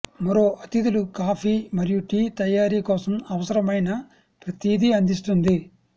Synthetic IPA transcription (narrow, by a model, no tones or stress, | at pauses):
mɐɾo̞ːʔɐt̪id̪ulukaːpʰiːmɐɾijuʈiːt̪ɐjaːɾiːkɔːsɐmɐʋɐsɐɾɐmɐjnɐ | pɾɐt̪iːd̪iɐnd̪ist̪und̪i